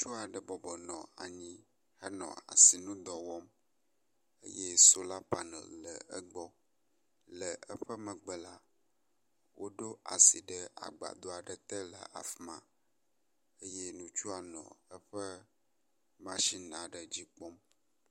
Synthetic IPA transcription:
t͡ʃu˦a˨ɖə˨bɔ˨bɔ˨nɔ̰̃˨a̰˨ɲĩ˦ | hə˦nɔ̰̃˨a̰˨si˨nũ˦d̪ɔ˨wɔ˦m | ə̰˦jɛ˦so˦la˦pa˨nə̰˨llə˨ə˦ɡ͡bɔ˦ | lə˨ə˦ɸə˦mə̃˨ɡ͡bə˦la˦ | wʔo˦ɖo˦a̰˨si˨ɖə˦a̰˨ɡ͡ba̰˨d̪o˦a˨ɖə˨t̪ə˦lə˨a̰˨fmã̰˨ | ə˦je˦nũ˦t͡ʃu˦a˨nɔ̰̃˨ə˦ɸə˦ | mã˦ʃi˦nã˨ɖə˨d͡ʑi˦k͡pɔ˦m

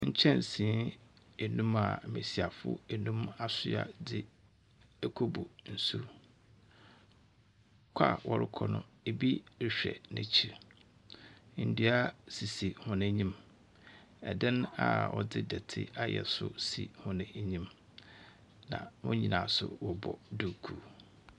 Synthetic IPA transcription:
ɲ̩˦t͡ɕʰɛ̃˦˨n˨sĩ˨˦ | e˨nũ˦ma̰˨mɪ̃˨si˨a˨fʊ̰˦e˨nũ˦ma˨sʊ˦a̰˨dɪ˦ | æ˦kʰo˦bu˨n̩˨su˦ | kʷʰa̰˦˨wʔɔ˦ɾɪ˦kʰɔ˨nʊ̰̃˦˨e˨bi˦ɾɪ˨ɕᶣɛ̰˨nɪ̃˦t͡ɕʰi˦ɾ | n̩˨du˦a˦si˨si˨hʊ̃˨nɪ̃˦ɲĩ˦m | ɛ˨dɛ̃˦na̰˨wɔ˨dɪ˦dɛ˨tʰɪ̰˦a˦jɛ̰˨sʊ̰˦sḭ˨hʊ̃˦nɪ̃˨˦ɲĩ˦m | nã̰˨wʊ̃˦ɲĩ˨nãː˨sʊ̰˦wɔ˨bɔ˨du˨kʰu˦

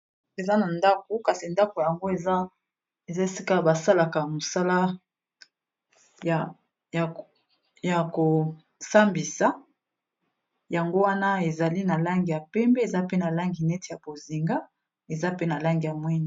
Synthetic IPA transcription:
e˨za˦na˨nda˦k̚o˨˦ka˨si˨nda˦ko˨jja˨ŋɡo˦e˨a˦ | e˨za˦e˨si˦ka˦ba˨sa˦la˨ka˨mo˨sa˦la˦ | j | ja˨ko˨ | sa˦mbi˨sa˨ | ja˨ŋɡo˦wa˦na˦e˨za˨li˦na˨la˦ŋɡi˨ja˨pɛ˦mbɛ˦e˨za˦pe˦na˨la˦ŋɡi˨nɛ˦te˨ja˨bo˨zi˨ŋɡa˦ | e˨za˦pe˦na˨la˦ŋɡi˨ja˨mwi˦ni˨

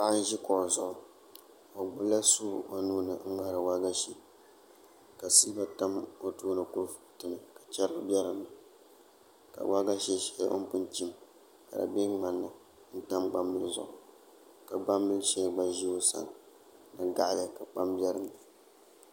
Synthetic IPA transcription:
pa˦ʔa˦n˦ʒi˦kʊ˨ʔzʊ˨ʔʊ˨ | o˨ɡ͡bʊ˦la˦su˦˨o˨nuː˦nɨ˨˦ŋ̩˦ŋa˦ɾɨ˨wa˦ɡa˦ʃi˦ | ka˨siː˦ba˦ta˦mo˦tuː˦nɨ˨ku˦ɾfʊ̥˦˨tɨ˨nɨ˨kḁ˨t͡ʃɛ˦ɾɨ˦bjɛ˦ɾɨ˨mːɨ˨ | ka̰˨wʔa˦ɡa˦ʃɛ˦ʃɛ˦o̰˦m˦pʊ˦nt͡ʃi˦m | ka˨da̰˨bi˦ŋ͡ma˨nːɨ˦ | n̩˦ta˦mɡ͡ba˦mːɨ˦lzʊ̰˨ʔʊ˨ | ka˨ɡ͡ba˦mːɨ˦ʃɛ˦ɡ͡ba˦ʒi˦o˦sa̰˨n˨ | nɨ˨ɡa˦ʔbɛ˨ka˨k͡pa˦mbʲjɛ˦ɾɨ˨ŋa˨

